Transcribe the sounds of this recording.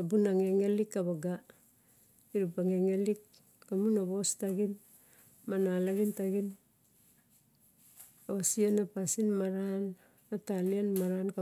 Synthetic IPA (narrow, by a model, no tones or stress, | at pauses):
abunaŋeŋelikːaβaɡa | iɾupaŋeŋelikː | amunaβo̞staɡin | manalaɡintaɡin | osianapasinmaɾan | atalianmaɾank